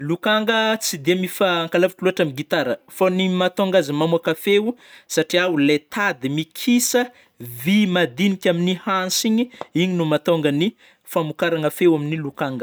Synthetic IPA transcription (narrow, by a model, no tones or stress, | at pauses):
lukaŋɡət͡sid̪emifaːŋkalavikiluɦaʈ͡ʂamiɡit̪aɾəfonimat̪oŋɡazimamuakafewsaʈ͡ʂiawulet̪ʰad̪imikʰisə | vimad̪inikʲaminihansiɲiiɲinumat̪oŋɡəni | famukaɾaŋafewaminilukaŋɡə